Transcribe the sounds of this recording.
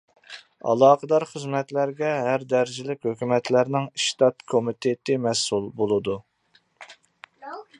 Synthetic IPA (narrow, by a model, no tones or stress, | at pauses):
ɑ̰lˠɑːqəd̪ɑɾχəzmɛt̪læɾɡʲɛɦæɾd̪æɾd͡ʒilɪkʲhøkʲymɛt̪læɾnɪŋiʃt̪ɑt̪kʰomit̪ʰet̪ɪmɛsulˠbolˠɨd̪u